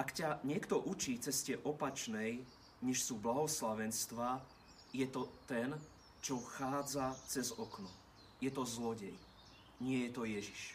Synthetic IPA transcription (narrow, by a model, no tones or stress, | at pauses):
ʔakcaɲɪɛkt̪ɔʔut͡ʃiːt͡sɛscɛʔɔpat͡ʃnɛj | ɲɛʃsuːblaɦɔslaʋɛnst̪ʋaː | jɛt̪ɔt̪ɛn | t͡ʃɔxaːd͡zat͡sɛzɔknɔ | jɛt̪ɔzlɔɟɛj | ɲɪɛjɛt̪ɔjɛʒiʃ